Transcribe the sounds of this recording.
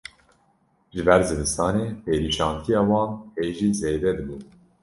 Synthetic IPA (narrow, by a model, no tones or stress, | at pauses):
ʒɨbɛɾzɨd̪ɨst̪ɑːneːpeːɾiːʃɑːnt̪ʰijɑːwɑːnheːʒiːzeːd̪ɛd̪ɨbun